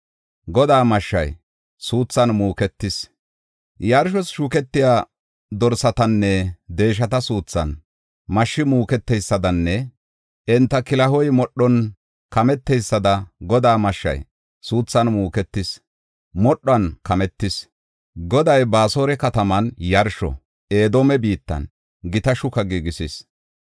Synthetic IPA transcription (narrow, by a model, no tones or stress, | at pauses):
ɡɔd̪aːmɐʃːɐ̰j | suːt͡sːɐnmuːkɛt̪ːɪs | jaɾʃ̬ɔsʃuːkɛt̪ːɪjaː | d̪ɔɾsɐt̪ɐnːɛd̪e̞ːʃ̬ɐt̪ɐsuːt͡sːɐ̰n | mɐʃːɪmuːkɛt̪ːɛjsːɐd̪ɐnːɛ | ɛnt̪ːɐkɪlɐɦɔjmɔɗːɔn | kɐmɛt̪ːɛjsːɐd̪ɐɡɔd̪aːmɐʃːɐ̰j | suːt͡sːɐnmuːkɛt̪ːɪs | mɔɗːɔɐnkɐmɛt̪ːɪs | ɡɔd̪ɐjbaːsoːɾɛkɐt̪ɐmɐnjɐɾʃɔ̰ | e̞ːd̪oːmɛbiːt̪ːɐ̰n | ɡɪt̪ɐʃʊkɐɡiɡɪsɪs